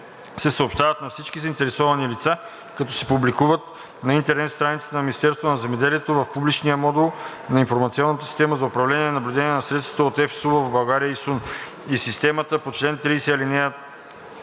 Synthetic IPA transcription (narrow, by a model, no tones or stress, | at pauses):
sɛsəopʃt̪avɐt̪nɐfsit͡ʃk̟izəɐint̪ɛɾɛsɔvɐnilit̪sa | kɐt̪ɔsɛ̥publikuvət̪ | nɐint̪ɛɾnɛt̪st̪ɾanit̪st̪ɛnɐmʲinist̪ɛɾst̪vonɐzɛmɛd̪ɛliɛt̪ovɐfpublit͡ʃnijəmɔd̪ɛlˠ | nɐinfoɾmɐt̪siɔnːət̪ə̥si̥st̪ɛməzɐʊpɾɐvlɛniɛnɐblʲʊd̪ɛniɛnɐsɾɛt̪st̪ɐ̥t̪əot̪ɛfsuvəbɐlˠɡaɾijəisun | isist̪ɛmɐt̪əpot͡ʃlɛnt̪ɾisɛlinɛə